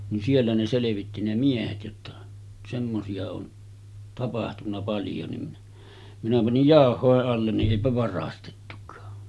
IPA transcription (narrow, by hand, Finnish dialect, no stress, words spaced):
nin sielːæ ne seleʋitːi ne miehet jotːɑ semːosiɑ on tɑpɑhtunːɑ pɑljo ni minæ pɑnij jɑˑohˑoˑeʔ ʔɑlːen niʔ ʔeˑipæ ʋɑrɑstetːukˑɑː